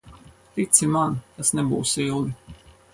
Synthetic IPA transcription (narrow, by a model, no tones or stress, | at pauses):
t̪it̪simant̪asnɛbṵːsilˠd̪i